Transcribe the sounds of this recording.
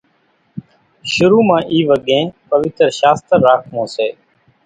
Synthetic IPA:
ʃʊɾuːmãːʔiːʋəɠẽːpəʋɪt̪ɾʃaːst̪əɾːaːkʰmõːseː

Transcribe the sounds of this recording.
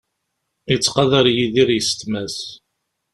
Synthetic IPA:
it͡sːqɑðəɾjiðiɾjəst̪mæs

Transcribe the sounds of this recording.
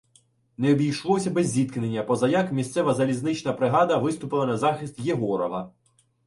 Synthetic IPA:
neɔbʲijʃlˠɔsʲɐbɛzʲːit̪kɪnenʲːɐpɔzɐjɑkmʲist̪sɛʋɐzɐlʲiznɪt͡ʃnɐpɾɪɦɑd̪ɐʋɪst̪ʊpɪlˠɐnɐzɑxɪst̪jeɦɔɾɔʋɐ

